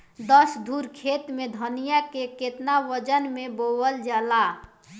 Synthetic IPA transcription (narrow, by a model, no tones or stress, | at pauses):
d̪əsd̪ʱuɾkʰet̪mẽd̪ʱənijakeket̪naʋəd͡ʒənmẽbowəld͡ʒaːla